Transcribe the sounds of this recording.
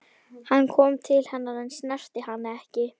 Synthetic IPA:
hanːkʰɔːmt̪ʰɪlhɛnːaɾɛnsnɛr̥t̪ɪhanːɛhcɪ

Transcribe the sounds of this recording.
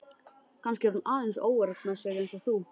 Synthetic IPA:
kʰanscɪɛɾunaːðensoːwɛɾak̪mɛðsɛɣejnsɔθu

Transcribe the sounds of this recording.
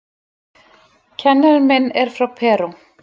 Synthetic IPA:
cʰɛnːaɾmɛnːɛɾ̥fɾawpʰɛːɾu

